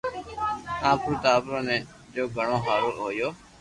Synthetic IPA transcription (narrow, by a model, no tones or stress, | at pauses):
ãːpɾuːt̪aːpɾõːnẽː | d͡ʒoːɡʱəɳõːɦaːɾoːlɦoːjoː